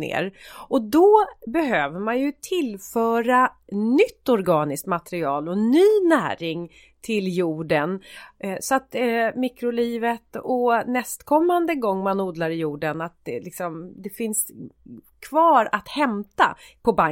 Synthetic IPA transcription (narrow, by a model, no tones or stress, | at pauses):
nḛːɾʔɔd̪ɔbɛɦøːvəɾmanjɵt̪ʰɪlfœːɾa | nʏt̪ːɔɾɡɑːnɪsk̪mat̪ɛɾɪɑ̰ːlɔnyːnæ̰ːɾɪŋ | t̪ʰɪljuːɖənsɔat̪mikɾʊliːvət̪ɔnɛst̪kʰɔmːand̪əɡɔŋːmanuːd̪laɾɪjuːɖənat̪̚d̪lɪksɔmd̪ɛfɪns | kʰvɑːɾat̪hɛmt̪a̰ | pʰɔba